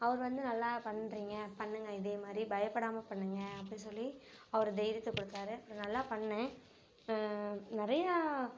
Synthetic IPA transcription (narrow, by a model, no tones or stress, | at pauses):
ɐʋɐɾɯʋɐnd̪ɯnɐlːaːpɐɳːɾiːŋɡɐpɐɳːɯŋɡɐɪðeːmaːd̪ɾibɐjɐpːɐɽaːmɐpɐɳːɯŋɡɐɐpːɐɽɪnsɔlːiɐʋɐɾɯd̪ɛjɾɐt̪ːɯkːɔɽɯt̪ːaːɾɯɐpːɯɾɐ̃nɐlːaːpɐɳːɯ̃ | nɪɾɐja